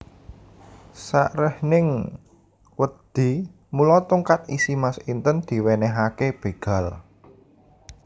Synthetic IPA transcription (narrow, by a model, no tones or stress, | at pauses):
saʔɾəhnɪŋ | wəd̪̥i̤ | mulɔt̪uŋkat̪̚isimasint̪ənd̪̥i̤wenɛɦakeb̥e̤ɡ̥a̤l